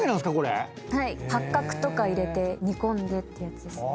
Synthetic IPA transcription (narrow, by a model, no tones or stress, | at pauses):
kenãsɨ̥kako̞ɾḛ | haihakːakɯ̟̥t̪o̞kaiɾe̞t̪e̞ɲ̟ikõ̞nd̪e̞t̪ːeɯjat͡sɨd̪e̞s